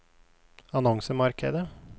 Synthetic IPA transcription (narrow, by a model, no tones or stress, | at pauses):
ɑnɔŋsəmɑɾkəd̪ə